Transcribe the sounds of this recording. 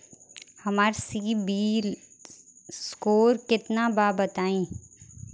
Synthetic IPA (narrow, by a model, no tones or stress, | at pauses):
hɐmaːɾsiːbiːl | skoːɾkɪt̪nabaːbɐt̪aːĩː